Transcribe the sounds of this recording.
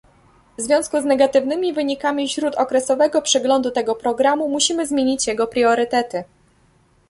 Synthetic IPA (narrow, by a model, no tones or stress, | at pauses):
vzvʲjɔ̃w̃skuznɛɡat̪ɘvnɘmʲivɘɲikamʲifɕɾut̪ɔkɾɛsɔvɛɡɔpʂɛɡlɔnd̪ut̪ɛɡɔpɾɔɡɾamumuɕimɘzmʲjeɲit͡ɕjɛɡɔpɾʲjɔɾɘt̪ɛt̪ɘ